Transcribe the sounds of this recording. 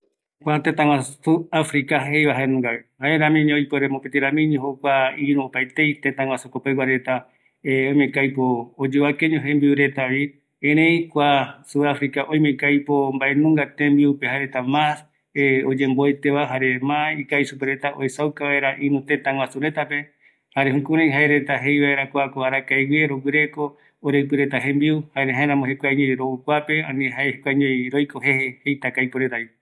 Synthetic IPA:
kʷat̪et̪ãŋwãsuafɾikahejβaɦaenũŋɡahaeɾãmĩɲ̃ojpoɾemopet̪iɾãmĩɲõɦokʷaiɾũopajt̪ejt̪et̪ãw̃ʷãsukopewaɾe̞t̪a | oj̃mẽkajpoːd͡ʒeβakeɲõɦembiɾe̞t̪aβi | ẽɾ̃ẽjkʷasuafɾikaʔoj̃mẽkajpo̞mbaʔenũŋɡat̪ẽmbiupehaɾet̪amas | eod͡ʒẽ̞mboet̪eβaɦaɾe̞mãikaisupeɾe̞t̪aʔo̰esawkaβaeɾaʔĩnũt̪e̞t̪ãŋwʷasuɾe̞t̪ape | haɾe̞ɦũkũɾãj̃ɦaeɾe̞t̪aɦe̞jβaeɾakʷakoaɾakajweɾowɨɾe̞ko̞ː | ɾep̬ɨɾe̞t̪aɦẽmbiuhaeɾeɦaeɾãmõhekʷaɲojɾoukʷape̞ãnĩɦaehekʷaɲõjɾojkoɦe̞hehejt̪akajpoɾet̪aβi

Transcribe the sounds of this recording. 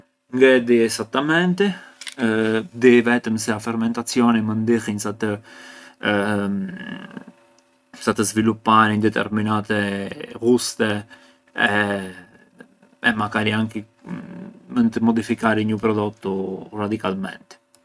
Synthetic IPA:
ŋɡɛd̪iɛsat̪ːamɛnt̪i | d̪ivɛt̪əmsɛafɛɾmɛnt̪at͡sijɔnimənd̪ihinsat̪ə | sat̪əzvilupːaɾind̪ɛt̪ɛ̰ɾminat̪ɛɣust̪ɛ | ɛ | ɛ̰makaɾiaŋki | mənt̪əmɔd̪ifikaɾiɲəpɾɔd̪ɔt̪urad̪ikalmɛ̰nt̪

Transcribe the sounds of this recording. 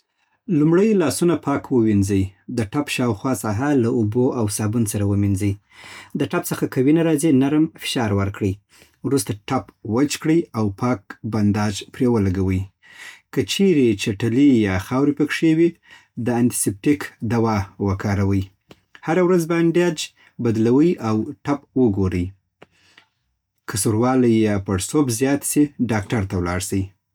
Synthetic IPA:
lumɽəjlɑsunapʰɑkwəwinzəjd̪əʈapʃɑwxwɑsɑɦalauboʔawsɑbunsaɾawəminzəj | d̪əʈapt͡səxakawinaɾɑzinaɾmfɪ̥ʃɑɾwəɾkɽəj | wɾust̪aʈapwət͡ʃkɽəjawpɑk̚band̪ɑd͡ʒpɾewəlaɡawəj | kət͡ʃeɾet͡ʃaʈalijɑxɑwɾipəkʂewi | d̪əant̪i̥sep̚ʈikd̪awɑwəkɑɾawəj | haɾawɾazbanɖjɑd͡ʒ | bad̪lawəjʔawʈapwəɡoɾəj | kəsuɾwɑləjɑpəɽsobzjɑt̪seɖɑk̚ʈaɾt̪awlɑ̰ɽsəji

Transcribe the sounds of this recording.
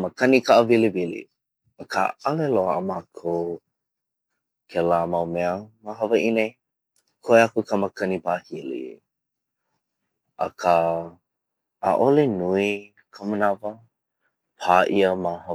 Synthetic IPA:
məkʰɐnikaʔəvilivilḭ | əkʰa̰ɐleloəə̰maːkʰow | kʰelaːmɐwmɛəmaɦɐvəʔine | kʰoeakukəməkʰɐnipaːhilḭ | ʔə̰kʰə | ʔa̰ʔolenui | kʰəmənavə | pʰaːʔiəmahɐ

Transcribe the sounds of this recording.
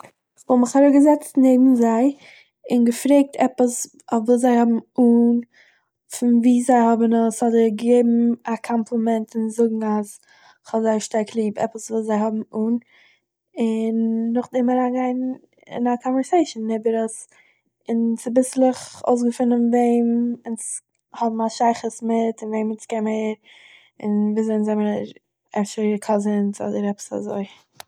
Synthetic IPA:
χvɔlˠmɪχaɾʊɡəzɛt͡stneɪbm̩zaɪ | ɪnɡəfɾeɪk̚tʰɛpəs | ɔfvuːszaɪhɔbm̩uːn | fɪnviːzaɪhɔbənəshɔdəɡəɡeɪbm̩akʰɔmpʰlˠəmɛntɪnzʊɡŋ̩as | χhɔlˠzaɪʃtaɾkʰlˠiːpɛ̰pəsvuːszaɪhɔbm̩uːn | ɪnːʊχdɪmaɾaɡaɪn | ɪ̰nakʰɔnvɛɾseɪʃnːɪbəɾəs | ɪnsɪbɪslˠɪχo̰ʊs̬ɡəfɪnənveɪmɪns | hɔbm̩aʃaɪχəsmɪtɪnveɪmɪnskɛməɪɾ | ɪ̰nviːzeɪnzɛməɾɾ | ɛfʃəɾəkʰɔzənsɔ̰dəɾɛpə̥sa̰zoɪ

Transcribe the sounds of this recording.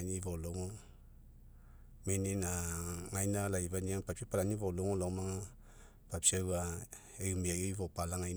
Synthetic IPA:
nivoloŋo | meninaŋajnalaivaniaŋpapsipalanivoloŋolomaŋa | papsiawa | emiajoivopalaŋajn

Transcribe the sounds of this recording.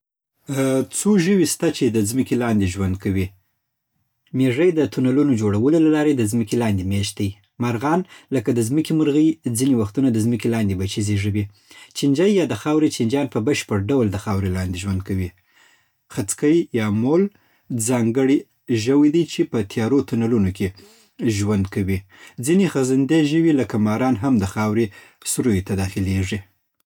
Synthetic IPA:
t͡soʒəwist̪at͡ʃed̪əzməkelɑnd̪eʒwand̪kawi | meʐəjd̪ət̪unalunod͡ʒoɽawəlolalɑɾed̪əzməkelɑnd̪emeʃd̪əj | maɾɣɑnləkad̪əzməkeməɾɣəjd͡zinewaxt̪unad̪əzməkelɑnd̪ebat͡ʃizeʐəwi | t͡ʃɪnd͡ʒajːɑd̪əxɑwɾet͡ʃɪnd͡ʒɑnpəbəʃpəɾɖawld̪əxɑwɾelɑnd̪eʒwand̪̚kawi | xat͡skəjjɑmol | zɑŋɡəɽi | ʒəwid̪əjt͡ʃepət̪ʰjɑɾot̪unalunoke | ʒwand̪kawid͡zinexazand̪eʒəwiləkamɑɾɑnɦamd̪əxɑwɾe | sɾojot̪ad̪ɑxɪleʐi

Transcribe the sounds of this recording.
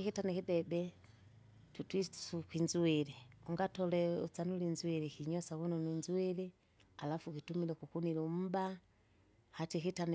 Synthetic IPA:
kitanikidɛbɛ | tutwi̥ukwinzuwɛliuŋɡatɔlɛut͡sanulinzuwɛlɛkiɲɔsakunɔninzuɛlɛ | alafukitumilɛkukunilum̩ba | hatikitan

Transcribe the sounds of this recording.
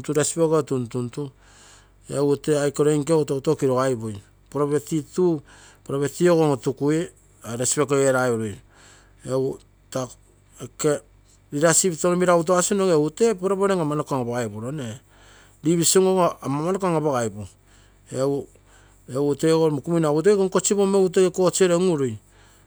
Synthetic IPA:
tuɾaspeɡotuntuntu | euteajkoɾojŋkeutautokiɾoɣajboj | poɾaβe̞titu | poɾaβetioɣoŋotukui | aɾespekoeɾaoɾuj | eu | ta | eke | ɾiɾasipitoɾomiɾaβut̬oasunoŋeute̞poɾaβoɾeŋamanokaŋaβaɣajpoɾone | ɾiβisoŋoŋoamamanokaŋaβaɣajpo | eu | euteɡoɾmukuminaβut̬ojkoŋkot͡ʃipomeuteeko̞t͡ʃeɾeŋuɾuj

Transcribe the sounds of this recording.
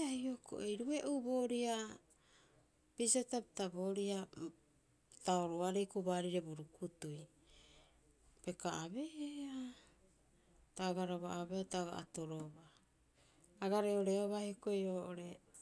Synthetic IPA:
ajokʰo̰ʔejɾue̞ʔubo̞ːɾia | pisatapitabo̞ːɾia | taoɾoaɾejkubaɾiɾe̞buɾukutuj | pe̞kaːβe̞a | taoɡaɾoβaaβetaoɡa̰ʔa̰toɾoβa | aɡaɾeoɾeoβahjokojoːʔoɾe̞

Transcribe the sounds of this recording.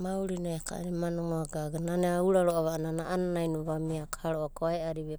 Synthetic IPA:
mauɾinaekʰa̰ɾimanoŋoaɡaɡananeauɾaɾoʔaβananaʔananajnuβamiakhaɾoʔakoaeaɾiβe

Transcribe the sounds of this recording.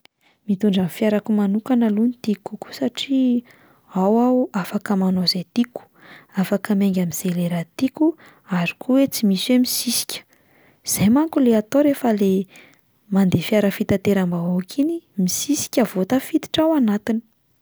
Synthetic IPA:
mit̪uɳɖ͡ʐanfjaɾakumanukanəlunit̪ikuku̥saʈ͡ʂi | awauafakəmanozejt̪iku̥afakəmeŋɡʲamiz̥eleɾat̪iku | aɾi̥kuwet͡simiswemisisi̥kʲə̥ | z̥ajmaŋkuleat̪oɾefəle | mand̪efiaɾəfit̪at̪eɾambaawkʰinimisisi̥kʲəvot̪əfid̪i̥ʈ͡ʂawanat̪ini̥

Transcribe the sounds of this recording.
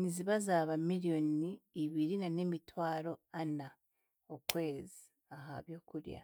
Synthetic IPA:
ɲiziβazaːβamiɾijo̞niːβiɾinanemitwaːɾo̞ana | okwe̞ːzi | aɦa̰βjo̞ːkuɾja̰

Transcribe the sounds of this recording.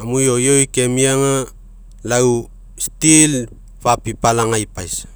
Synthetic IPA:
amujojojkemiaŋa | law | stil | papipalaŋajpajs

